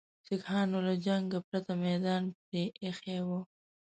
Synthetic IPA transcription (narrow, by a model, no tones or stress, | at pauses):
sɪkhɑːnolad͡ʒaŋɡɡəpɾat̪amɛd̪ɑːnpɾeʔːxewo